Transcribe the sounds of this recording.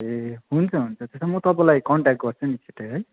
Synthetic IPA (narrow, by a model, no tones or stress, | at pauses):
eɦunt͡sʰɔɦunt͡sʰɔt̪esʰɔmut̪ɔbɔlajkɔɳʈak̚ʈ̚ɡɔɾt͡sʰunit͡ʃʰiteɦʌj